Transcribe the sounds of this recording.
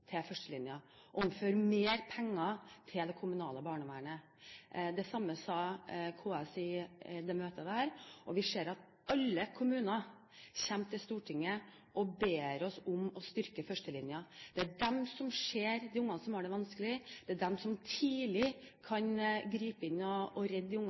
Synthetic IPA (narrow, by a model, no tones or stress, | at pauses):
t̪ʰɛfœʂʈəlɪnjɑ | ʊmføːɾmeːɾpʰɛŋːɑt̪ʰɪld̪ɛkʰʊmʉnɑ̰ːləbɑːɳəʋæːəɳə | d̪ɛsɑmːəsɑkʰoːɛsɪd̪ɛmøːt̪əd̪æːɾʔɔʋɪʂeːɾɑt̪̚ | ɑlːəkʰʊmʉːnɑ | ɕɛmt̪ʰɪlst̪uːʈʰɪŋːə | ʔɔbeːɾɔsʊmɔst̪ʏɾkəfœʂʈəlɪnjɑd̪̥ɛæɖɛmsɔmʂeːɾd̪ɪʊŋːɑnəsɔmæɖɛʋɑnskəlɪd̪̥ɛæɖɛmsɔmt̪ʰiːlɪ | kʰɑnɡɾiːpəɪnːɔɔɾɛd̪ːɪʊŋː